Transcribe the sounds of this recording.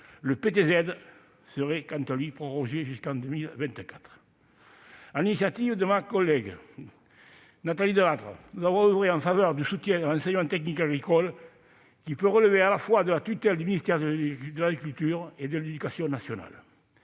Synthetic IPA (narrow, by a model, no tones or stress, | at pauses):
ləpet̪ezɛd̪ | səʁɛkɑ̃nt̪alɥipχoʁɔʒeʒyskɑ̃nd̪ømilvɛ̃nt̪əkḁt̪χə | alinisjat̪ivəd̪əmakɔlːɛɡ | nat̪alid̪əlat̪ʁə̰nuzavɔ̃əvʁeɑ̃ɱfavœʁd̪ysut̪jɛ̃d̪əlɑ̃nsɛɲəmɑ̃nt̪ɛknikaɡʁikɔl | kipøʁələvealafwad̪əlat̪yt̪ɛld̪yminist̪ɛʁd̪d̪əlaɡʁikylt̪yʁed̪əled̪ykasjɔ̃nasjona̰l